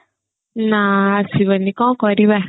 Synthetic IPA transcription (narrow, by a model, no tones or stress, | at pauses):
nasiβənikɔ̃kɔɾiβɛ